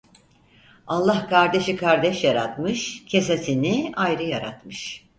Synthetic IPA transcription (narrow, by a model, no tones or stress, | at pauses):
alˠːahkʰaɾd̪e̞ʃikʰaɾd̪ɛʃjaɾa̰t̪mɯʃcʰesasʰiniajɾɯjaɾa̰t̪mɯʃ